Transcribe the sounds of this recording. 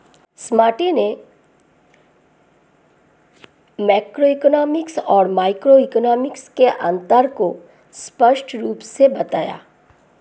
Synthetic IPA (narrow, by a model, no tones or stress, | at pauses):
smaːʈine | maːkɾoiknɔːmɪksɔːɾmaːɪkɾoikɔnɔːmɪkskeʔã̰nt̪əɾko | spəʃʈɾuːpsebɐt̪a̰ːja̰ː